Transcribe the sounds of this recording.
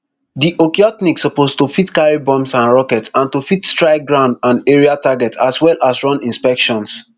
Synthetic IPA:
diʔokiɔtniksɔpostufitkaɹibɔ̃msãnɹɔkɛtsãntufitstɹaɪɡɹãʊ̃ndãneɹiataɡɛtaswɛlasɹɔ̃nĩnspɛkʃɔ̃ns

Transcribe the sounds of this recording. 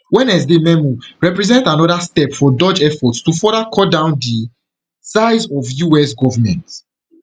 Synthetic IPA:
wɛ̃nɛsdemɛ̃muɹɛpɹɛzɛ̃ntãnɔdastɛpfɔdɔd͡ʒɛfɔtstufɔɾakʰɔdãʊ̃ndi | saɪzɔvjuɛsɡɔvamɛ̰̃nt

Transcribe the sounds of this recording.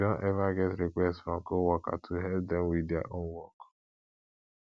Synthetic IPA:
ɔ̃ʔɛvaɡɛtɾikʷɛstfɾɔ̃mkowɔka̰tʰuɦɛp̚dɛmwida̰ʔonwɔk

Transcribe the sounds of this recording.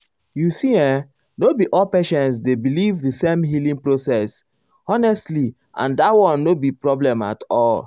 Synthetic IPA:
jusiɛ̃ | nobiʔɔlpeʃɛ̃ns̬debilivdəsẽmɦilĩŋpɹosɛs | ɔnɛstli | ʔã̰ndatwɔ̃nːobipɹɔblɛ̃ma̰tɔl

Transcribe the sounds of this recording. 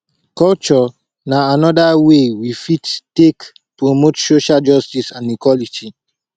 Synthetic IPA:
kɔlt͡ʃɔ | naanɔdawewifittek | pɹomotsoʃald͡ʒɔstisãnikwɔlitʰi

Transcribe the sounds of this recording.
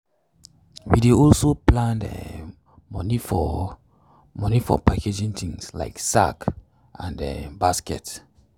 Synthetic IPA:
wideɔlsoplãndɛ̰ | mɔnifɔ | mɔnifɔ̰paked͡ʒĩnt̪ʰĩŋsla̰ɪksa̰k | ʔãndɛ̰baskɛ̰t

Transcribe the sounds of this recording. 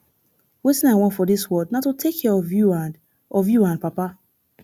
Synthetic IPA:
wetĩnaɪwɔ̃ntfɔdiswɜdnatotʰekʰːɛɹɔvjuãn | ɔvjuãnpapa

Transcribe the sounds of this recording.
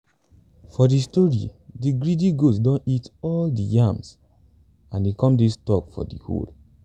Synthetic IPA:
fɔdistɔɹḭdiɡɹidiɡosdɔ̃nitɔldijams | ãnikɔ̃mdistɔkfɔ̰dḭho̰l

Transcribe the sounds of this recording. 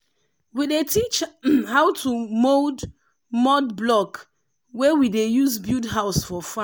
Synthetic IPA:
widetʰit͡ʃhaʊtʰumod | mɔdblɔk | wɛwidejuzbudɦaʊsfɔfã

